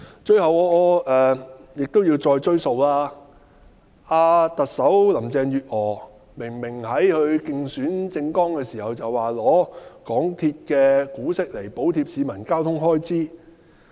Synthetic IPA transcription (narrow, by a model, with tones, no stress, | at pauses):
t͡ʃɵ˧ɥhɐ˨wɔː˨˧ʔɔː˨˧ʔɛː˨jɪ˨k̚t̪o˥wjiː˧wt͡sɔː˧jt͡ʃɵ˥ɥso˨˧wlaː˥ | aː˧t̪ɐ˨k̚sɐ˨˥wlɐ˨˩mt͡sɛː˨ŋjyː˨t̚ɔː˨˩ | mɪ˨˩ŋmɪ˨˩ŋhɐ˨˥jhɵ˧ɥkɪ˧ŋsyː˨˥nt͡sɪ˧ŋkɔː˥ŋkɛː˧siː˨˩hɐ˨wt͡sɐ˨waː˨lɔː˨˧kɔː˨˥ŋt̪ʰiː˧t̚kɛː˧kuː˨˥sɪ˥k̚le˨˩jpo˨˥wt̪ʰiː˧p̚siː˨˧mɐ˨˩nkaː˥wt̪ʰʊ˥ŋɦɔː˥jt͡siː˥